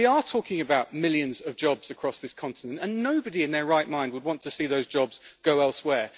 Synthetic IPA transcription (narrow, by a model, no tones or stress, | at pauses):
iətʰɔˑkɪ̃ŋəbaʊʔ̚mɪljə̃nzʌvd͡ʒɒbz̥əkʰɹ̥ɒsðɪskʰɒ̃ntɪnə̃ntə̃nːoʊbəɾiɪ̃nðəɹaɪʔ̚mãɪ̃nd̚wəd̚wɒ̃ntʰəsiːðəʊzd͡ʒɒbz̥ɡ̥əʊɛlˠswɛː